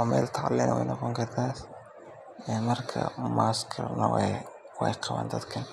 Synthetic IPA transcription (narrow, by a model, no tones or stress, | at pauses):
ɔmɛ̰ːlt̪ʰaʕlinɐwɛjnɔqɔŋkʰɐrt̪ʰaːs | ɛmɐrkʰɐ̰maːskʰɐ̰rnɐ̰wɛ | wɛ̰jqɑβa̰ːnd̪ɐd̪kʰɐn